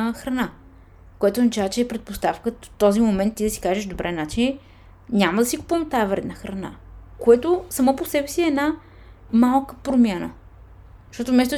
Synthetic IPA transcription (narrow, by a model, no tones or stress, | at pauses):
xɾɐna | koɛt̪ʊzɐt͡ʃavət͡ʃɛːpɾɛt̪̚post̪afkət̪ɔzimomɛnt̪ːid̪ɐsi̥kaʒeʃd̪obɾʔɛnat͡ʃini | nʲamɐd̪ɐsiku̥pəmt̪aɛvɾɛ̰d̪nəxɾɐna̰koɛt̪osɐmɔposɛbɛsiɛna | malˠkə̥pɾomʲjanə̰̥ | ʃt̪ɔt̪ʊmɛs̬t̪ʊ